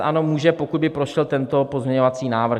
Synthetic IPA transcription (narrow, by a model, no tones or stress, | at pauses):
ʔano̞muːʒɛpokud̪bɪpɾo̞ʃɛlt̪ɛnt̪o̞pozmɲɛɲovat͡siːnaːvr̩